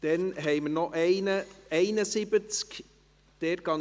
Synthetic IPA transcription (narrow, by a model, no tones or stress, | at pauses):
d̪̥ɛnɦɛɪməɾnɔʔɛɪnəɛɪnəsibət͡sk | d̪̥eɾɡ̥ɑ